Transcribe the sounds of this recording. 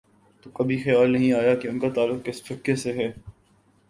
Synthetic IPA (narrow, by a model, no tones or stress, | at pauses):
t̪okɐbʱixjaːlnɐɦĩaːjakeʊnkat̪aːlːʊkkɪsfɪkːeseɦɛː